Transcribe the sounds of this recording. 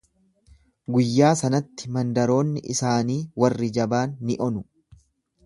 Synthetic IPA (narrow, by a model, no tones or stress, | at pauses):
ɡʊjːaːsɐnɐt̪ːɪ̥mɐnd̪ɐɾo̞ːnːɪʔɪsaːniːwɐrːɪd͡ʒɐbaːnːɪʔɔnʊ